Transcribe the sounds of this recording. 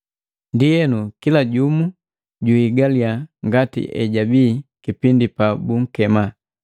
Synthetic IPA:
ndijɛnukilaɟumu | ɟuiɡaliaŋɡatḭʔɛ̰ɟabiːkipindipabuŋ̩kɛma

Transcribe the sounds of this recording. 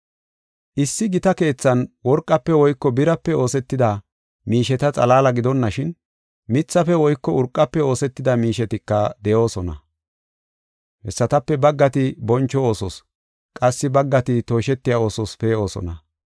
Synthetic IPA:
ʔɪsːɪɡɪt̪ɐke̞ːt͡sːɐnwɔɾkʼːɐpːɛwɔjkːɔbɪɾɐpːɛo̞ːsɛt̪ːɪd̪ɐ | miːʃɛt̪ɐt͡sʼɐlaːlɐɡɪd̪ɔnːɐʃɪn | mɪt͡sːɐfɛwɔjkːɔʊɾkʼːɐpːɛo̞ːsɛt̪ːɪd̪ɐmiːʃɛt̪ɪkːɐd̪ɛjo̞ːsɔnɐ̰ | hɛsːɐt̪ɐpːɛbɐɡːɐt̪ɪbɔnt͡ʃːɔo̞ːsɔs | kʼɐsːɪbɐɡːɐt̪ɪt̪o̞ːʃɛt̪ːɪjao̞ːsɔspeːo̞ːsɔ̰nɐ

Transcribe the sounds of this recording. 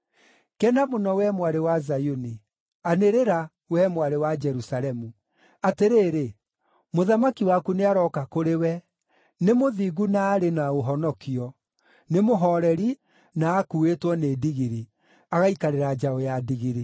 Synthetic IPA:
kɛnamonɔwɛmwaɾewazajoni | aneɾeɾa | wɛmwaɾewad͡ʒɛɾusaɾɛmu | ateɾeːɾe | moðamakiwakuneaɾɔkakoɾewɛ | nemoðiɣunaːɾenaoɦɔnɔkiɔ | nemoɦɔɾɛɾi | naːkuetwɔneːdiɣiɾi | aɣaikaɾeɾad͡ʒaɔjadiɣiɾi

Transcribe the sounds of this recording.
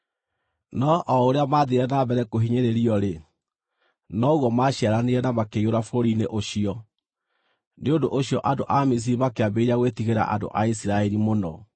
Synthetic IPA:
nɔʔɔoɾeamaðeɾɛnabɛɾɛkoɦiɲeɾeɾiɔɾe | nɔuɣwɔmaɕaɾaneɾɛnamakejoɾafoɾoɾineʔoɕiɔ | neondoʔoɕjɔʔadoʔamis̬iɾimakeabeɾaɣwetiɣeɾa̰ʔa̰do̰ʔaisiɾaɛɾimonɔ

